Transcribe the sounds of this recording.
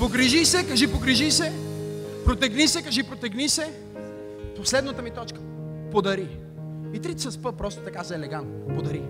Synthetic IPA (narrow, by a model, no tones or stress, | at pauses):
poɡɾiʒisɛkɐʒipoɡɾiʒisɛ | pɾot̪ɛɡnisɛkɐʒipɾot̪ɛɡnisɛ | poslɛd̪nət̪əmit̪ɔt͡ʃkə̥ | pod̪ɐɾi | it̪ɾit̪səspəpɾɔst̪o̥t̪ɐkazɐɛlɛɡant̪opod̪ɐɾi